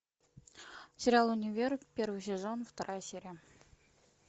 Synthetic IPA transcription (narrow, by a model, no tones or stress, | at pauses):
sʲɪɾʲɪalˠʊnʲɪvʲerpʲervɨjsʲɪzonft̪ɐɾʔajəsʲeɾʲɪjə